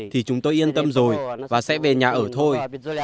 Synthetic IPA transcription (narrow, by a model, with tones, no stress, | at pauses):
t̪ʰi˨˩t͡ɕʊ˨˦ŋ͡mt̪o˧jʔi˧ənt̪ə˧mzo˨˩jvaː˨˩sɛ̰˧˥ve˨˩ɲaː˨˩ʔəː˧˩t̪ʰo˧j